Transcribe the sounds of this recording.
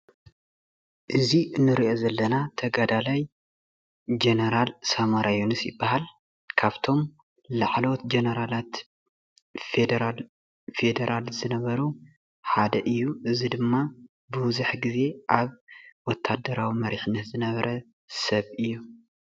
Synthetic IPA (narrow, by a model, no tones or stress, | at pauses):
ʔɨzinːɨɾiʔo̞zɐlːɐnat̪ʰɐɡad̪alaj | d͡ʒenɐɾalsamaɾajonisjɪ̰bːahal | kʰaβt̪ʰo̞m | laʕlo̞t̪d͡ʒenɐɾalat̪ | fed̪ɾal | fe̞d̪ɐɾʔalzɨnɐβɐɾu | ħad̪ɐʔɨjːuʔɨzid̪ɨmːa | bɨwzuħɡize̞ʔaβwɔt̪ʰːad̪ːɐɾawimɐɾiħinːɐt̪zɨnɐβɐɾʔɐ | sɐβʔɨjːu